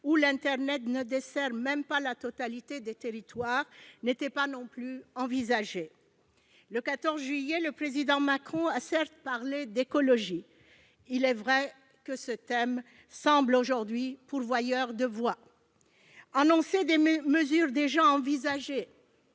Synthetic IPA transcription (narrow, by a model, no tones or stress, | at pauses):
ulɛ̃t̪ɛʁnɛt̪nəd̪esɛʁmɛ̃mpalat̪ɔt̪alit̪ed̪et̪eʁit̪waːʁnet̪ɛpanɔ̃plyɑ̃vizaʒe | ləkat̪ɔʁzʒɥijeləpχezid̪ɑ̃makχɔ̃asɛʁt̪paʁled̪ekɔlɔʒi | ilɛvʁɛ | kəsət̪ɛm | sɑ̃bloʒuʁd̪ɥipuʁvwajœʁd̪əvwa | anɔ̃sed̪eməzyʁd̪eʒɑ̃ɑ̃vizaʒe